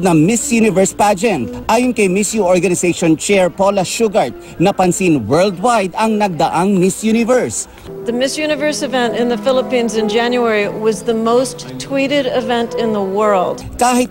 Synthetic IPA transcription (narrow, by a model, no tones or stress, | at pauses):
d̪̚nɐŋmɪsjunɪvɛɹspad͡ʒɛ̃nt̪ʔaːjʊnkɐjmɪsjuʔoɹɡɐnɪsejʃont͡ʃɛɹpolɐʃuɡɐɹt̪̚ | nɐpɐnsinwɛɹld̪̚wajd̪ɐŋnɐɡ̚d̪ɐʔɐŋmɪsjunɪvɛɹs | ðɨmɪsjʉñɨvɜ˞sɨvɛ̃ntɨ̃nðɨfɪlˠəpĩnzɨ̃nd͡ʒæ̃njuɛɹiwʌzðəmoʊsttʰw̥iɾɪɾɪvɛ̃ntɪ̃nðəwɜ˞lˠd̥kaːhɪt̪̚